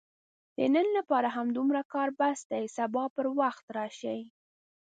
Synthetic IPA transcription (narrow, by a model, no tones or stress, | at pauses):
d̪̥ə̰nənlapɑɾaɦamd̪umɾakɑɾbasd̪ajsabɑpəɾwaxt̪ɾɑʃaj